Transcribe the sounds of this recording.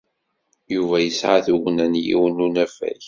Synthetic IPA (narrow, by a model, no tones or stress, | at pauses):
juvæjəsʕaθuʝnænjḭwnunæfæ̰ç